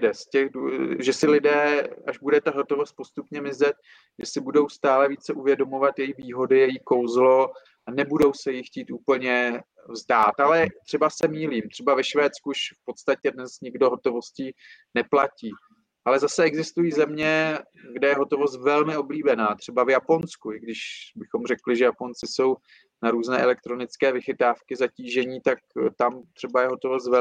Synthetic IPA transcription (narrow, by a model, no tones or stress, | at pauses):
dɛscɛxdʒɛsɪlɪdɛːaʒbudɛt̪aɦot̪o̞vost̪̚po̞st̪upɲɛmɪzɛt̪̚ | ʒɛsɪbudo̞wst̪aːlɛviːt͡sɛʔuvjɛdo̞movat̪jɛjixviːɦo̞dɪjɛjiko̞wzlo̞ | anɛbudo̞wsɛjɪxciːt̪ʔuːpl̩ɲɛ | vzdaːt̪alɛt̪r̥ɛbasɛmiːliːmt̪r̥ɛbavɛʃvɛːt̪t͡skuʃfpo̞t̪st̪acɛdnɛzɲɪɡdo̞ɦo̞t̪o̞vo̞scinɛplaciː | ʔalɛzasɛɛɡzɪst̪ujiːzɛmɲɛ | ɡdɛjɛɦo̞t̪o̞vo̞st̪vɛlmɪo̞bliːbɛnaːt̪r̝̥ɛbavjaponskuɪɡdɪʃbɪxo̞mrɛklɪʒɛjapo̞nt͡sɪso̞w | naɾuːznɛːʔɛlɛk̚t̪ɾo̞nɪt͡skɛːvɪxɪt̪aːfkɪzaciːʒɛɲiːt̪ak̚t̪amt̪r̝̥ɛbajɛɦot̪ovost̪vɛ